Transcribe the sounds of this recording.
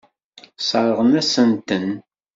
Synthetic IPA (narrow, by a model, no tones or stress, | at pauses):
sˤɑɾˤəʁənæsənt̪ən